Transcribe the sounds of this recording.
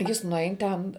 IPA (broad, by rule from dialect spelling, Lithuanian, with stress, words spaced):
ˈjɪs nʊˈɛɪn tʲɛn